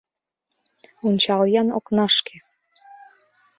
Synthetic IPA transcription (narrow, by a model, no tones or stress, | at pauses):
unʲt͡ɕɑljɑnoknɑʃkʰe